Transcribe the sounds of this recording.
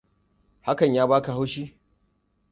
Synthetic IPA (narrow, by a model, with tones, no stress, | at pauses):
ha˦kɐ˨ɲjaː˦baː˦ka˨ɦa˦wʃiː˦